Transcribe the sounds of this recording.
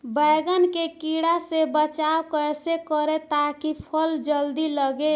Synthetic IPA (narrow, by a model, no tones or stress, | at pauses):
bəɪɡənkekiɽasebət͡ʃawkəjsekəɾet̪akipʰəld͡ʒəld̪iləɡe